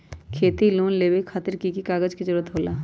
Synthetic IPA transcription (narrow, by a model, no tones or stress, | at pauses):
kʰeːt̪iluːnleːʋekʰːaːt̪ɪɾkikikaːɡəd͡ʒkid͡ʒəɾuːɾət̪ɦoːlaː